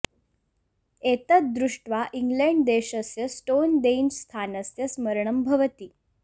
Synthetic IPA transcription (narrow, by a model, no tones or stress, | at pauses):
et̪ət̪̚d̪ɾuʂʈʋaʔiŋɡleɳɖd̪eɕəsjəsʈond̪end͡ʑst̪ʰanəsjəsməɾɳəmbʱəʋət̪iː